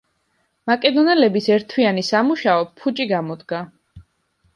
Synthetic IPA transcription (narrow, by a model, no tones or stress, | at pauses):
makʼɛd̪ɔnɛlɛbisɛɾt̪ʰwianisamuʃaɔpʰut͡ʃʼiɡamɔd̪ɡa